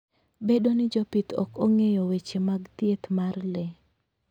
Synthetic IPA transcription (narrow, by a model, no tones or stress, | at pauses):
bedonɪd͡ʒopit̪ɔ̰koŋejɔwet͡ʃemaɡt̪jet̪marlɛ